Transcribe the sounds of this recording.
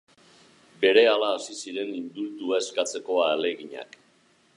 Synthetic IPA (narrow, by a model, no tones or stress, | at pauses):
be̞ɾe̞alaːsisiɾe̞nind̪uɾt̪uaeskat͡se̞ko̞aːle̞ɣiɲa̰k